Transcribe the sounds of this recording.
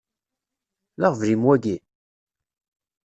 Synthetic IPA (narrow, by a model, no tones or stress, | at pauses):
laʁvlimwæɡi